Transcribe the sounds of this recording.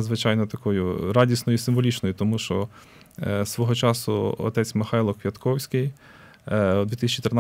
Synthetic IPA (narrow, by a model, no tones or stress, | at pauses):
d̪zʋɪt͡ʃɑjnɔt̪ɐkɔjʊɾɑdʲisnɔjʊisɪmʋɔlʲit͡ʃnɔjʊt̪ɔmuʃt͡ʃɔ | sʋɔɦɔt͡ʃɑsʊɔ̰t̪ɛt͡sʲmɪxɑjlˠɔkʋʲɐt̪kɔwsʲkɪj | d̪ʋʲit̪ɪsʲt͡ʃit̪ern